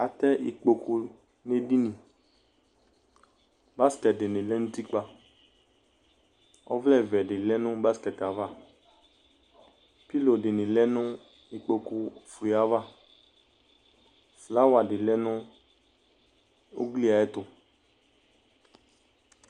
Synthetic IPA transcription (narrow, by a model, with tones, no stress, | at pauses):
a˨t̪ɛ˦ʔi˨k͡po˨ku˧ | ne˦di˦nĩ˨ | ba˦skɛ˨t̚de˨nɪ̃˨lɛ˦nũ˦t̪i˦k͡pa˨ | ɔ̰˦vlɛ˦˨vɛ˨ɖɪ˨lɛ˦nʊ̃˦ba˦skɛ˨ta˨va˦˨ | pi˦lo˨dɪ˨nɪ̃˨lɛ˦nʊ̃˦ | i˨k͡po˨ku˦fu˨i˨a˨va˦˨ | fla˦wa˨dɪ˨lɛ˦nʊ̃˦ | o̰˦ɡli˦a˨ɛ˦t̪ʊ˨